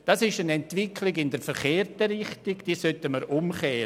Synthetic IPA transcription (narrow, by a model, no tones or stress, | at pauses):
d̥ɑsɪʃənɛntʋɪkʰlɪɡɪndəɾfəɾχeːrtəɾɪχtiɡd̥iːsœtəməɾʔʊmχɛː